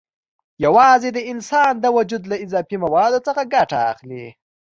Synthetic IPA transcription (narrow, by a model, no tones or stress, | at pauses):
jawɑzed̪əɪnsɑnd̪əwʊd͡ʒud̪laɪzɑfimawɑd̪ot͡səxaɡaʈaa̰xlḭ